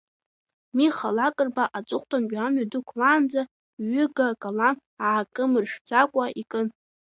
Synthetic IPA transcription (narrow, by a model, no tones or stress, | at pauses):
miχalakʼɨrbaʔat͡sʷʼɨχʷtʰʼambamɥadukʷʰlaːnd͡za | ɥʏɡakʼalan | aːkʼɨmɨrʃᶣd͡zakʷʼaʔikʼɨn